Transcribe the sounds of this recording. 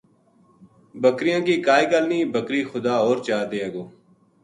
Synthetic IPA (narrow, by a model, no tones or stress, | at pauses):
bəkɾɪjãːkiːkaːiːkəlniːbʱəkɾiːxʊd̪aːoːɾt͡ʃaːd̪eːeɡoː